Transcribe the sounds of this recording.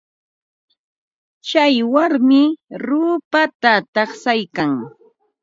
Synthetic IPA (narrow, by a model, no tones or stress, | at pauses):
t͡ʃajwaɾmɪɾʊːpat̪at̪ɑχsajkaŋ